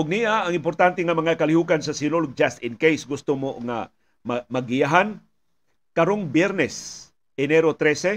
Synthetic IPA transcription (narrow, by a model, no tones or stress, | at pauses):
ʊɡ̚niʔaɐŋɪmpoɾt̪ant̪ɛŋɐmɐŋakɐlɪhuːkansɐsɪnolɡ̚d͡ʒast̪ɪnkejsɡʊst̪omoŋa̰ | mamɐɡɪjaɦan | kɐɾoŋbjɛɾnɛs | ɛnɛɾot̪ɾɛsɛ